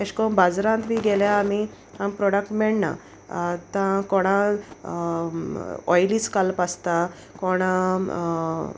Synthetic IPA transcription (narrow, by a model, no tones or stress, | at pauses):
eɕkɔbad͡zɾãnt̪miɡeljaːmi | hãmpɾɔɽək̚ʈmɛɭna̰ | t̪ãkɔɽ̃ã | ɔjlit͡skalpast̪a | kɔɽ̃ã